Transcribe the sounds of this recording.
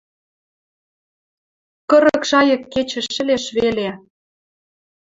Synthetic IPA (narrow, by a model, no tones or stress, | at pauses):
kɤ̆ɾɤ̆kʃɑjɤ̆kːet͡ɕə̆ʃɘ̆leʃβele